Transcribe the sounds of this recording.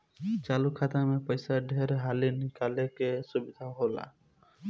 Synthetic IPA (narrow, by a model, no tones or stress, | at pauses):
t͡ʃalukʰat̪amẽpəjsaɖʱeɾɦalinikalekesubid̪ʱaɦola̰